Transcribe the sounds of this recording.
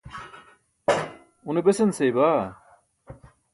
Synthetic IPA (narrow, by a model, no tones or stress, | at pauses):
unebesensejbaː